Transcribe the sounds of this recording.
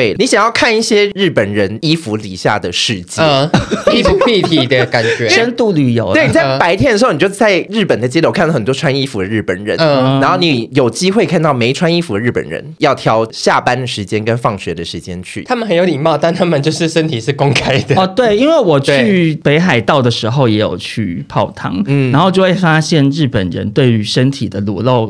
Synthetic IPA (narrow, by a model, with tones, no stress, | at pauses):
e˥˩ɪ˩ni˧˥ɕjɑ˨˩ŋjɑ˥˧ʊkʰa˥˧ni˥˩ɕjɛ˥ɻɻ̩˥˩pə˨˩nɻə˧˦˥ni˥fu˧˥lḭ˨˩ɕja̰˥˩d̪ə˩ʂɻ̩˥˩t͡ɕi˥˧˩i˥fu˧˥pʰi˥˩t̪ʰi˨˩d̪ə˨˧ka˨˩nt͡ɕɥɛ˧˦ʂə˥nt̪u˥˩ly˨˩jo̰˨˧˥ʊe˥˩ni˩t͡sa˥˩˧pa˧˥ɪt̪ʰjɛ˥nə˩˧˥ʊn˨˩t͡ɕo˥˧˥t͡sa˥˧ɪɻɻ̩˥˩pə˨˩nd̪ə˩t͡ɕi˥lʰo˧˥k̪ʰxə˨˩t̪wɔ˥wa˥ni˥fu˧˥d̪ə˧ɻ̩˥˩pə̰˨˩nɻə̰˧˦n˧na˧˥nxo˥˩ʊni˧˥jo˨˩ʊt͡ɕi˥xwe˥˧ɪkʰa˥˧nt̪ɑ˥˩ʊme˧ɪʈ͡ʂʰwa˥ni˥fu˧˥d̪ə˦ɻ̩˥˩pə̰˨˩nɻə̰˧˦njɑ˥˩ʊt̪ʰjɑ˧˥ʊɕja˥˨˩pa˥nd̪ə˨ʂɻ̩˧˥t͡ɕjɛ˥nkə˥nfɑ˥˩ŋɕɥɛ˧˥d̪ə˨ʂɻ̩˧˥t͡ɕjɛ̰˥nt͡ɕʰy̰˥˩t̪ʰa˥mə˨xə˧˥njo˧˥ʊi˨˩ŋmɑ˥˨ʊt̪a˥˧nt̪ʰa˥mə˨nt͡ɕjo˥˧ʊʂɻ̩˥˩ʂə˦˥nt̪ʰi˨˩ʂɻ̩˥˩kʊ˥ŋkʰa˥ɪd̪ə˨ɔ˥˧t̪we˥˧˩ɪi˥nwe˥˩ɪwɔ˨˩t͡ɕʰy˥˩pe˧˥ɪxa˨˩ɪt̪ɑ˥˩ʊd̪ə˩ʂɻ̩˧˥xo˥˧ʊjɛ˧˥jo̰˨˩ʊt͡ɕʰy̰˥˧pʰɑ˥˧ʊt̪ʰɑ̰˥ŋna˧˥nxo˥˧t͡ɕjo˥˧ʊwe˥˩fa˦˥ɕjɛ˥˧nɻɻ̩˥˩pə̰˨˩nɻə̰˧˦nt̪we˥˩ɪy˧˥ʂə˦˥nt̪ʰi˨˩d̪ə˦lu˨˦lo˥˩ʊ